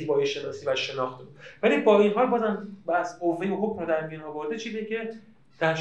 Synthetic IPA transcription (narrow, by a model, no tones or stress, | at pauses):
iːbɒːjeʃe̞nɒːsiːvæʃe̞nɒːxt̪ʰebud̪̥vælibɒːinɦɒːlbɒːzæmbæsovːejboɦocmod̪æɾmijunɒːvoɾd̪et͡ʃʰiːzijecʲʰe̞ | d̪̥æɾ